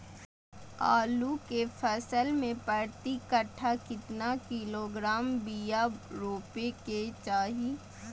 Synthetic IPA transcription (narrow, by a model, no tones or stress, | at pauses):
a̰ːlukepʰəsəlmẽpəɾt̪ikəʈʰakɪt̪nakiloɡɾaːmbijaɾoːpeket͡ʃaːɦi